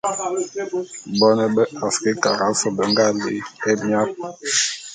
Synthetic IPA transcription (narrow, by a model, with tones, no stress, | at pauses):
bɔ˦nɛ˦bɛ˦a˨ski˦ka̰˨ɾa˨˦sɔ˨bə˨ŋɡa˦lḭ˦ɛ˦mi˦a˦p̚